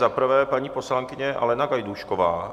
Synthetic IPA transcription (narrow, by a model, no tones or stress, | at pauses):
zapɾ̩vɛːpaɲiːpo̞slaŋkɪɲɛʔa̰lɛnaɡajd̪uʃkovaː